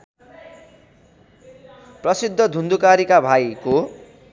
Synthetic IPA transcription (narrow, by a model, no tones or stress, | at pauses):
prʌsid̪ʱːʌd̪ʱund̪ukaɾikabʱajko